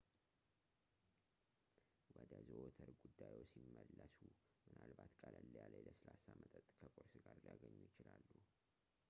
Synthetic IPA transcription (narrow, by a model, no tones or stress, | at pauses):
wɔd̪əzəʔot̪ʰəɾɡud̪ːajwosimːəlːəsu | mɨnalbat̪kʼaləlːəjaljləsɨlasamət̪ʼət̪ʼkʰəkʼoɾsɡaɾljaɡəɲːujɪt͡ʃɪlalːu